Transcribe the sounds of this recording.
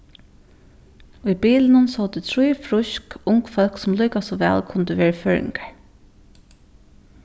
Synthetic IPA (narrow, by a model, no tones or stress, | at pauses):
ujbiːlɪnʊnsɔlt̪ɪt̪ʰɾujfɾʊʃkʊŋkfœlksʊmluːkasɔʋɛ̰ːlkʰʊnt̪ɪʋeːɹəføːɹɪ̰ŋkḁɹ